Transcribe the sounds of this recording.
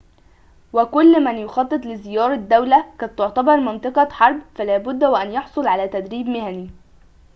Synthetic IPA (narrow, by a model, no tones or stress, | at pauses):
wækʊlːmænjʊxɑt̪ˤːɨt̪ˤlɪzɪjɑːɾˤɑd̪ːawlækæt̪ʊʕt̪ɑbɑɾˤmɑnt̪ˤɨqɑħɑɾˤbfælæːbʊd̪ːwʔænjɑħsˤolʕalæːt̪æd̪ɾiːbmɪhæni